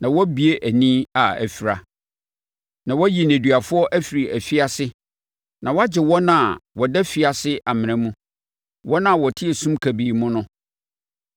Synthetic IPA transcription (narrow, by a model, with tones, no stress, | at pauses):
nã˨wɔ˦bi˨e˦ʔæ˨nĩː˦a˨æ̰˨fi˨ɾa˨ | nã˨wɔ˦ji˨næ̃˨dɥa˨fʊ˦ɔ˦ʔæ˦fi˨ɾi˨æ˨fi˦a˦sɪ˦ | nã˨wɔ˦a˦d͡ʑɪ˨wɔ˦nã˦˨wɔ˨dɛ˦fi˨a˨sɪ˦ʔa˨mɪ̃˨nɛ̃˦mũ˦ | wɔ˦nã˦˨wɔ˨tʰɪ˦e˨sũ˦mkʰæ˨biː˨mʊ̃˦nʊ̃˦